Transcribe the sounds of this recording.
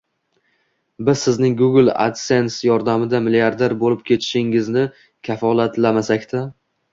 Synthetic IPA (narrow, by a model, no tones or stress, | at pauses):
bɪz̥sɪznɪŋɡʊɡlˠa̰d̪se̞nsjɒɾd̪amɪd̪amɪliaɾd̪eɾbolɪp̚kʲʰe̞t̪ʰɪ̥ʃɪŋɪznɪ | kʲʰafɒlˠat̪lamasakʲt̪ʰa